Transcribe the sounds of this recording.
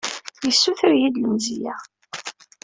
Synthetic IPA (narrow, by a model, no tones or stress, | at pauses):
jəsːuθəɾjid̪ləmzijæ